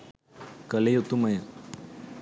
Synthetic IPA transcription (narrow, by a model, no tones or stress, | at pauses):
kɐlejot̪ːumɐjɐ